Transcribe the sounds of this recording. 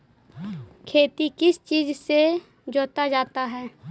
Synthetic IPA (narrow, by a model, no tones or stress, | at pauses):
kʰeːt̪ikɪst͡ʃiːd͡ʒse | d͡ʒoːt̪ad͡ʒaːt̪aɦɛː